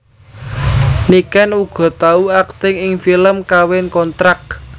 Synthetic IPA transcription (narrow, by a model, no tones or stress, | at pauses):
nikanuɡ̥ɔ̤t̪auak̚t̪ɪŋɪŋfiləmkawɪnkɔnt̪ɾak̚